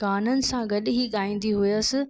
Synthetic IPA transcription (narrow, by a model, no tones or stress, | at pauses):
aːnənɪ̆sãɡɐɗɪɦiɠaːĩːn̆d̪iɦʊjəsɪ